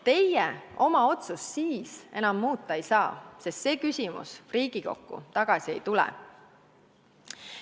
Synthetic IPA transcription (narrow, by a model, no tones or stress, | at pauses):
t̪e̞jjeo̞mɑo̞t̪sussiːse̞nɑmːuːt̪ːˑɑejsɑːsest̪se̞ːkysʲimṵsriːɡ̥iko̞̰kːṵt̪ɑɡ̥ɑsʲie̞jt̪ulɛ̰